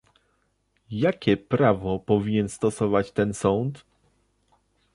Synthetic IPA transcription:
jakʲɛpɾavɔpɔvʲiɲɛnst̪ɔsɔvat͡ɕt̪ɛnsɔnt̪

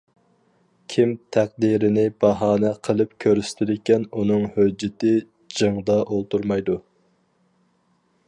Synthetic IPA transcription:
kʲʰimt̪ʰæq̚d̪iɾɪnɪbɑɦɑːnɛqʰəlˠɨp̚kʲʰøɾyst̪ʰɪd̪ɪkʲɛnunɨŋhød͡ʒːɪt̪ɪ | d͡ʒɨŋd̪ɑʔolˠt̪uɾmɑjd̪u

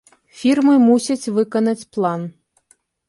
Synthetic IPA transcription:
fʲirmɨmusʲɐt͡sʲvɨkɐnɐt͡sʲplˠan

